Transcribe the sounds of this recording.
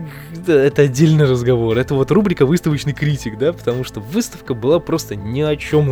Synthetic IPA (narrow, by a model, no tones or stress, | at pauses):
t̪əɛt̪əɐdʲːelʲnɨjrəzɡɐvo̞ɾɛt̪əvo̞t̪rubɾʲɪkəvɨst̪əvət͡ɕnɨjkɾʲitʲɪɡd̪apə̥t̪ɐmuʂt̪o̞vɨst̪əfkəbɨlˠapɾo̞st̪ənʲɪɐt͡ɕo̞m